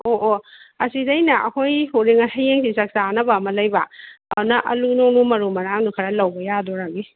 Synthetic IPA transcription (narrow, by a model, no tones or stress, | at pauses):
oʔoɐsidɐjnɐʔɐkʰojhuɾiŋɐsajeŋsisɐk̚sanɐbaɐmɐlɐjbɐa̰nɐʔɐ̰lunoŋnumɐɾumɐɾaŋdukʰɐɾɐlɐwbɐjadɔɾaɡi